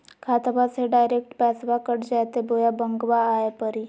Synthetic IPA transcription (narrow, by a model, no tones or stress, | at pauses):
kʰaːt̪baseɖaːɪɾeːk̚ʈpɛːsʋakəʈd͡ʒaːjt̪eboːjabə̃ŋɡʋaːepəɾi